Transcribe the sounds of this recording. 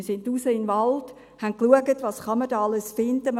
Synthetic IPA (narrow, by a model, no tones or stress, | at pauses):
sɪndusəɪnvɑld̥ | hænt̚kluəɡətʋɑsχɑmədɑːɑləsfɪnd̥əm